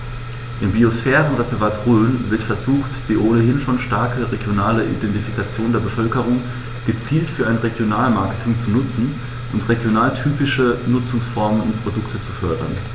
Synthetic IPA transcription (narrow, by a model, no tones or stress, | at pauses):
ʔɪmbiosfɛːʁənʁɛzɛɐvaːtʁøːnvɪɐtfɛɐzuːxtd̥iːʔoːnəɦɪnfɔnʃtaɐkʰəʁeɡjonaːləʔḭdɛntifikʰat͡sjoːndeːɐbəfœlkəʁ̞ʊŋ | ɡ̥ət͡siːltfyːɐʔaɪnʁeɡjonaːlmaɐkətʰɪŋt͡sunʊt͡sn̩ | ʔʊntʁeɡjonaːltʰyːpɪʃənʊt͡sʊŋsfɔɐmənʊ̰ntpʁ̥odʊktʰət͡su̥fœɐdɐ̰n